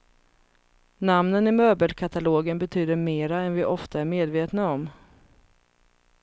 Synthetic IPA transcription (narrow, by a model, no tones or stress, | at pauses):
namnənɪmøːbəlkʰat̪aloːɡənbɛt̪ʰyːd̪əɾmeːɾaɛnvɪʔɔft̪aæɾmeːd̪veːt̪naɔm